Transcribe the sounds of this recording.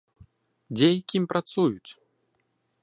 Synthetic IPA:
d͡zʲejakʲimʲpɾat̪sujut͡sʲ

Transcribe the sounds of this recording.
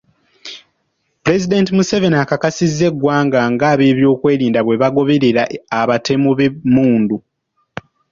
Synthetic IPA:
puɾe̞zidentimuseve̞nakakasizːe̞ɡwaːŋɡaŋɡaːβe̞ːβjo̞ːkwe̞ːɾiːndaβwe̞βaɡo̞βe̞ɾe̞ɾaːβatʰe̞muβemuːndu

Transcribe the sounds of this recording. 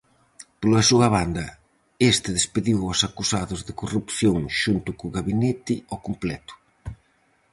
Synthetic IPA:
polɐsuɐβ̞and̪ɐ | est̪ɪðespeðiwɔsakusaðʊzðekorupθjoŋʃunt̪ʊkuɣaβinet̪ɪɔkumplɛt̪ʊ̥

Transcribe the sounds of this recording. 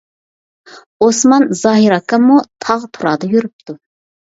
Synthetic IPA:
osmɑnzɑːɦiɾɑkːɑmut̪ʰɑʁt̪ʰuɾɑːd̪əjyɾyp̚t̪u

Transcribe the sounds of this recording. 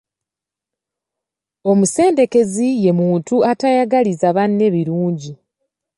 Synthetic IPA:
o̞muse̞ːnde̞ke̞zije̞muːntuatajaɡalizaβanːe̞βiɾuːɲɟi

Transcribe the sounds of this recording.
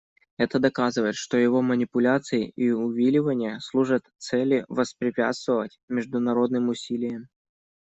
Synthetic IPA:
ɛt̪əd̪ɐkazɨvəjɪt̪ʂt̪o̞jɪvo̞mənʲɪpʊlʲat̪sɨjɪʔiʊvʲilʲɪvənʲɪjəslˠuʐət̪t̪sɛlʲɪvəspɾʲɪpʲa̰t̪st̪vəvətʲmʲɪʐd̪ʊnɐɾo̞d̪̚nɨmʊsʲilʲɪjəm

